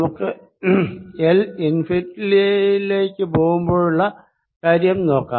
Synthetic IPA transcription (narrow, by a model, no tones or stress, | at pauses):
mukːɨ | elinfitːiliile̞ːkʲːɨpo̞ːɣumbo̞ːɻuɭːɐ | kaːɾjɐmno̞ːkːaː